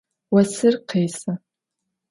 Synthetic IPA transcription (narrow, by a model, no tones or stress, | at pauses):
wasɨrqʰejsa